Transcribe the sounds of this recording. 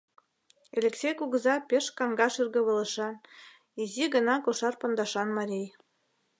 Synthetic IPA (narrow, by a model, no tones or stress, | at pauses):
elʲeksʲejkuɣə̆zɑpʲeʃkɑŋɡɑʃyrɣɤ̆βɤ̆lə̆ʃɑn | iziɣɤ̆nɑkoʃɑrpŏnd̪ɑʃɑnmɑɾʲij